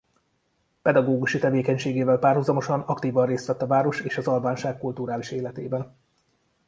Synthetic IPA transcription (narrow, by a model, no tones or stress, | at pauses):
pɛd̪ɒɡoːɡuʃit̪ɛveːkɛɲʃeːɡeːvɛlpaːrɦuzɒmo̞ʃɒnɒkt̪iːvɒnreːst̪ʋɛt̪ːɒvaːɾo̞ʃeːʃɒzɒlvaːnʃaːkkult̪uɾaːliʃeːlɛt̪eːbɛn